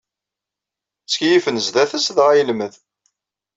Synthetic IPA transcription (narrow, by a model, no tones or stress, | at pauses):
t͡sːkjifənəzðæθəsðʁæjəlməð